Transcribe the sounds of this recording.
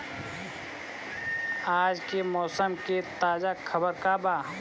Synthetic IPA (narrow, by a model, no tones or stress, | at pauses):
aːd͡ʒkemɔːsəmket̪aːd͡ʒakʰəbəɾkabaː